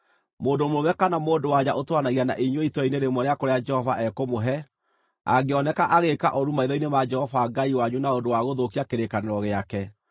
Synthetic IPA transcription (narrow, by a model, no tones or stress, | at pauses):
moːndomowɛkanamoːndowaɲaʔotwanaɣiana̰ʔiɲwoitwɛineɾemɔɾeakoɾead͡ʒɛhɔvaʔɛkomoɦɛ | a̰ɡeɔnɛkaʔaɣeka̰ʔɔɾumaiðɔinemad͡ʒɛhɔvaɡaiwaɲunaondowaɣoðokiakeɾekaneɾɔɣeakɛ